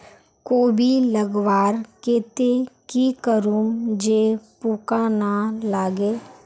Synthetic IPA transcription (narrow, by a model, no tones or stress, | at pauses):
koːbʱiləɡwaːɾkeːt̪ekikəɾuːmd͡ʒeːpuːkanalaːɡeː